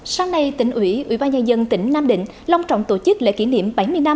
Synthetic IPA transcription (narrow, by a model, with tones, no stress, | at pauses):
saː˧ŋna˧jt̪ï˨˩ŋ̟ʔwi˧˩˦ʔwḭ˧˥ɓaː˧nɲaː˧nzə˧nt̪ï˧˦ŋ̟naː˧mɗḭ̈˧˨ŋ̟ | laː˧wŋ͡mt͡ɕɔ̰˧˨wŋ͡mt̪o˧˩t͡ɕɨ˦˥k̚lḛ˧˨ki˧˦nḭ˧˨əmɓa˨˦jmɨ˧əjna˧m